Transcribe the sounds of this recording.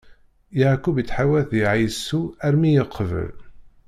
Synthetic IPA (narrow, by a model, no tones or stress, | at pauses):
jaʕkːubjət͡sːħawæθjiʕijsːuæɾmijəqʰːəvə̰l